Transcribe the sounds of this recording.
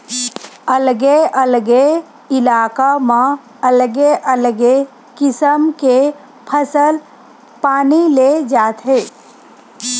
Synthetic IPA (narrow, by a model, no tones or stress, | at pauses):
əlɡeəlɡe | ɪlaːkamã | əlɡeʔəlɡe | kɪsəmke | pʰəsəl | paːniled͡ʒaːt̪ɦeː